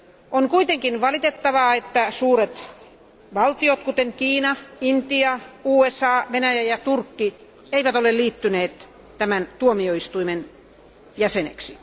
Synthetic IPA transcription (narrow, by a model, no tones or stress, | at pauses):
onkuit̪eŋkinʋɑlit̪et̪ːɑʋɑet̪ːæsuːɾet̪ | ʋɑlt̪iot̪kut̪eŋkiːnɑint̪iɑuːesɑːʋenæjæjɑt̪urkːi | eiʋæt̪oleliːt̪ːyneːt̪ | t̪æmænt̪uomioist̪uimen | jæsenḛksi